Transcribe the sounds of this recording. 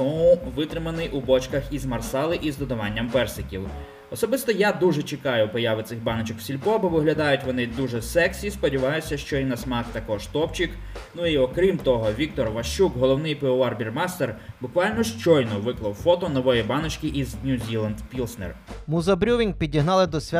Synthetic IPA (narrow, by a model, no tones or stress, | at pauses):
ɔuʋɪt̪ɾɪmɐnɪjʔubɔt͡ʃkɐxizmɐrsɑlˠɪʔizd̪ɔd̪ɐʋɑnʲːɐmpɛrsɪkʲilˠ | ɔsɔbɪst̪ɔjad̪uʒɛt͡ʃɪkɑjʊpɔjɑʋɪt̪sɪxbɑnɔt͡ʃɔkw̥sʲilʲpɔbɔʋɪɦlʲɐd̪ɑjʊtʲʋɔnɪd̪uʒɛsɛksʲispɔdʲiʋɑjʊsʲɐʃt͡ʃɔinɐsmɑxt̪ɐkɔʒt̪ɔpt͡ʃɪk | nuiɔkɾʲimt̪ɔɦɔʋʲik̚t̪ɔrʋɐʃt͡ʃukɦɔlˠɔwnɪjpeʊɑrbʲirmɑst̪erbʊkʋɑlʲnɔʃt͡ʃɔjnɔʋɪklˠɐwfɔt̪ɔnɔʋɔjibɑnɔt͡ʃkɪʔiznʲuzʲilˠɐnd̪pʲilˠsnɛ̰rmuzɐbɾʲuʋʲin̚ʲpʲidʲiɦnɑlˠɪd̪ɔsʲʋʲ